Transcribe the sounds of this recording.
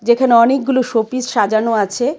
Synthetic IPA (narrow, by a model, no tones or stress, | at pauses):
d͡ʑekʰaneɔnek̚ɡuloʃopisʃad͡ʑanoat͡ɕʰe